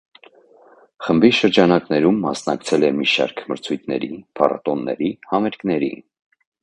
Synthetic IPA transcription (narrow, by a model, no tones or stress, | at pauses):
χəmbiʃəɾd͡ʒɑnɑknɛɾumːɑsnɑkt͡sʰɛlɛmiʃɑ̰ɾkʰməɾt͡sʰujt̪̚ʰnɛ̰ɾipʰɑrɑ̰t̪ɔnːɛ̰ɾihɑmɛɾknɛɾḭ